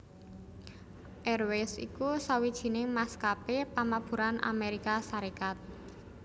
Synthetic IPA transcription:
ʔɛrwɛsḭkusawid̥ʒ̥i̤nɪŋmaskapepamab̥ṳɾanʔa̰meɾikasaɾikat̪̚

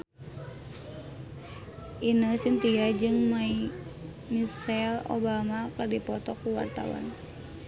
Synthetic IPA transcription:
ʔinəsint̪iad͡ʒɨŋmai | misɛlo̰bamakɨrdipɔt̪ɔkuwa̰rt̪a̰wa̰n

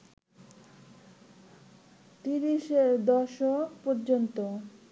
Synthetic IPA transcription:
t̪iɾiʃeɾd̪ɔʃokpoɾd͡ʑont̪o

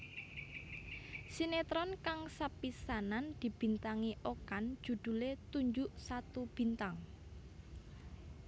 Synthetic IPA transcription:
sinet̪ɾɔnkaŋsapisanand̪̥i̤b̥i̤nt̪aŋiʔokand̥ʒ̥ṳd̪̥ṳlet̪uɲd͡ʒʊʔsat̪ub̥i̤nt̪aŋ

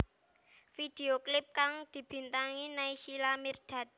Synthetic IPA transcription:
fid̪̥eoklɪp̚kaŋd̪̥i̤b̥i̤nt̪aŋinaisilamird̪̥a̤t̪̚

